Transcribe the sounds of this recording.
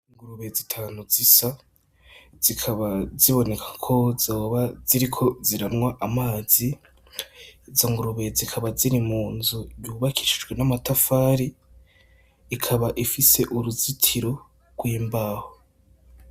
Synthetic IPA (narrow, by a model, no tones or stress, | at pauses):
iŋɡuɾuβezitʰaːnuzisa | z̥ikʰaβaziβo̞ne̞kʰḁkʰo̞zoβaziɾikʰo̞ziɾanŋwaʔamaːzi | zoŋɡuɾuβe̞zikʰaβaziɾimuːnzuɾjuːβakʰi̥ʃid͡ʒɡwe̞namatafaːɾi | kʰaβaʔifise̞ʔuɾuzitʰiɾo̞ | ɡ̥wiːmbaːho